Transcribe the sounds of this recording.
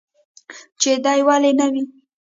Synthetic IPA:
t͡ʃed̪ɑjwalenawi

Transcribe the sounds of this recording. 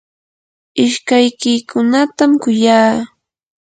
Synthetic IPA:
ɪʃkajkɪkʰʊnat̪amkʊjaː

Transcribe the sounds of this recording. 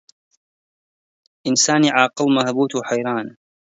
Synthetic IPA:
ʔɪnsaːniʕaːqɨlmahbuːt̪wħajɾˤaːn

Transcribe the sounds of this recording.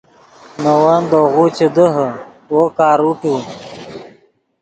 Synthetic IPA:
nɐwand̪oɣut͡ɕed̪əɦə | wokaːɾuʈu

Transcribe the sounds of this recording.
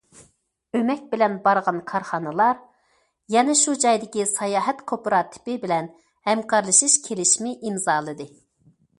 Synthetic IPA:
ømɛk̚ʲbɪlɛnbɑɾʁɑnkʰɑɾχɑnɨlˠɑɾ | jɛnɛʃud͡ʒɑjd̪ɪkʲisɑjɑːɦɛt̪kʰopɾɑt̪ʰɪ̥pɪbɪlɛn | hɛmkʰɑɾlˠɨʃɨʃkʲʰelɪʃmɪʔimzɑːlˠɨd̪ɨ

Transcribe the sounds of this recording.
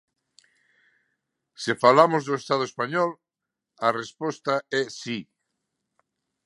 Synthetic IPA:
sefalamozðʊest̪aðʊespaɲɔl | arespɔst̪aɛsi

